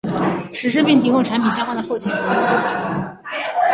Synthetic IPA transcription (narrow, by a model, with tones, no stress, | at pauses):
ʂɻ̩˧˥ʂ̬ɻ̩˥pi˥˩ŋt̪ʰi˧˥kʊ˥˧ŋʈ͡ʂʰa˧˥npʰi˨˩t͡ɕjxa˥nd̪ə˩xo˥˩ʊt͡ɕʰjɛ˨˩nfo˧˥˧